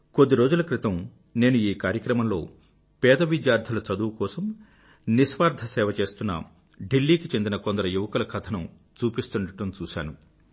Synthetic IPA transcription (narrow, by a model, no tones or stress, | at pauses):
kod̪ːiɾo̞ːd͡ʒulɐkɾit̪ɐm | ne̞ːnuiːkaːɾjɐkɾɐmɐmlo̞̰ː | pɛːd̪ɐʋid̪jaːɾd̪ʱɐlɐt͡ʃɐd̪uʋkɔːsɐm | nisʋaːɾd̪ʱɐsɛːʋɐt͡ʃe̞ːst̪unːɐ̰ | ɖilːiːkit͡ʃe̞nd̪inɐko̞nd̪ɐɾɐjuʋɐkɐlɐkʰɐt̪ʰɐnu | t͡ʃuːpist̪uɳɐʈɐmt͡ʃuːʃa̰ːnu